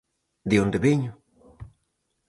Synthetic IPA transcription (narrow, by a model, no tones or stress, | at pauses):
d̪eond̪eβeɲʊ